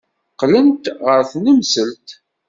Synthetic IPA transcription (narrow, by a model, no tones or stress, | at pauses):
qlənt̪ʁəɾθnəmsəlt̪